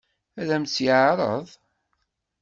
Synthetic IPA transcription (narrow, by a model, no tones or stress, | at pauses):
ælæmt͡sːjʕɾˤəðˤ